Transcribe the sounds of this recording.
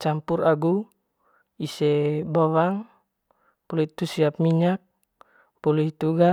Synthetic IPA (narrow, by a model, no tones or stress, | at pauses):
t͡ʃampuɾaɡu | isɛbɔwaŋ | puluit̪usiap̚miɲak̚ | puluɦit̪uɡa